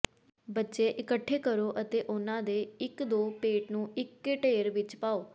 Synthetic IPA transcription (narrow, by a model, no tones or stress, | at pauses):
bətːʃeːʔɪkəʈʰːeːkəɾoːʔət̪eːʔʊnãːd̪eːɪkd̪oːpeːʈnũːɪkːeʈeːɾʋɪt͡ʃpaːoː